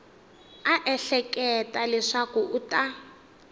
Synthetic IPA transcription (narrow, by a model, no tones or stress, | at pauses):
aʔɛɬɛkɛtalɛʂakuʔuta